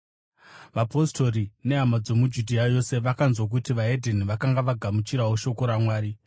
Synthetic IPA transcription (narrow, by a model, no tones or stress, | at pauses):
ʋapo̞sto̞ɾine̞amad͡zo̞mud͡ʒudʱiajo̞se̞ʋakanzwak̬utiʋaedʱeniʋakaŋɡaʋaɡʱamut͡ʃiɾawoʃo̞ko̞ɾamwaːɾi